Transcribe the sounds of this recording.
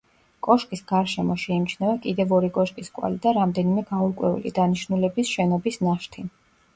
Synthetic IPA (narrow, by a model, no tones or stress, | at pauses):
kʼɔʃkʼisɡaɾʃɛmɔʃɛimt͡ʃʰnɛvakʼid̪ɛvɔɾikʼɔʃkʼiskʼwa̰lid̪aɾamd̪ɛnimɛɡauɾkʼwɛ̰ṵlḭd̪aniʃnulɛbisʃɛnɔbisnaʃt̪ʰi